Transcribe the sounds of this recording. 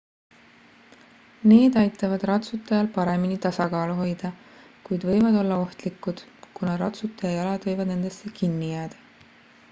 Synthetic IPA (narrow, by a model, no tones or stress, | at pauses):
ne̞ːd̪̥ɑjt̪ːˑɑvɑd̪̥rɑt̪sut̪ːˑɑjɑlpɑɾe̞minit̪ɑsɑkɑːluɦo̞jd̪̥ɑ | kujd̪vɤ̞jvɑd̪o̞lːɑo̞ht̪likːˑud̪̥kunɑɾɑt̪sut̪ːˑɑjɑjɑlɑd̪̥vɤjvɑd̪̥ne̞nd̪̥e̞sːe̞kinːijæːd̪̥ɑ